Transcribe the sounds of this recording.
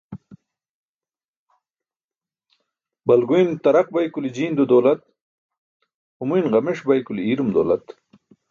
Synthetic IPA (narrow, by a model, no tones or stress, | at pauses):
bɐlɡuint̪ɐɾɐq̚bɐjkulid͡ʑiːnd̪ud̪oːlɐt̪̚ | humujnʁɐmeʂbɐjkuliiːɾumd̪o̰ːlɐ̰t̪